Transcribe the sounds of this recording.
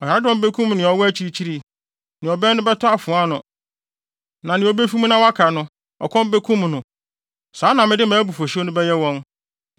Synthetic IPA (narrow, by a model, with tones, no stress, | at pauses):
ɔ˨ha˨ɾa˦dɔ̃˦m˦be˦kʰũ˦mnɪ̃˨ɔ˨wɔ˦æ˦t͡ɕʰi˦ɾi˦t͡ɕʰi˦ɾi˦ | nɪ̃˨ɔ˨bɛ˦nʊ̃˦bɛ˦tʰʊ˦a˨fʊ̃˨a˦nʊ̃˨ | nã˨nɪ̃˨o˨be˦fi˦mũ˦nã˦wa˦kʰa˨nʊ̃˦ | ɔ̰˨kʰɔ̃˦m˦be˦kʰũ˦mnʊ̃˨ | saː˨˦nã˨mɪ̃˦dɪ˦mãː˨˦bu˨fo˨ɕɪ˦o˦nʊ̃˦bɛ˦jɛ˦wɔ̃˦n